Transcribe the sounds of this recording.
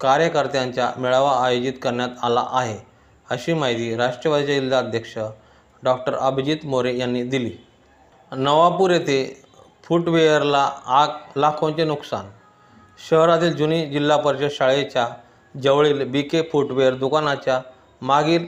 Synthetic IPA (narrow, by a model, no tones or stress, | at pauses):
kaɾjəkəɾt̪jãɲt͡ɕjamiɭaʋaːjod͡ʑit̪kəɾɳjat̪ala̰ʔaɦe | əɕiːmaɦjd̪iːɾaʂʈɾəʋad̪it͡ɕailːaəd̪ʱjəkʂə | ɖɔk̚ʈəɾəbʱd͡ʑiːt̪moɾejanːiːd̪iliː | nəʋapuɾjet̪ʰe | fuʈʋejəɾlaaklakʰõɲt͡ɕenuksa̰n | ɕəɦɾat̪iːld͡ʑuniːd͡ʑilːapəɾɕəɕaɭet͡ɕja | d͡ʑəʋɭiːlbikefuʈʋejəɾd̪ukanat͡ɕja | maɡiːɾ